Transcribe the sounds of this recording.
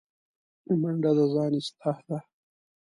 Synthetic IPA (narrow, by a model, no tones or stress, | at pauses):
imɐɳɖad̪azɑːnist̪ʰahd̪a